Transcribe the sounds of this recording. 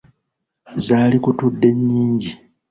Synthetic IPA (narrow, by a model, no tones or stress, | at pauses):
zaːlikutudːe̞ɲːiːɲɟi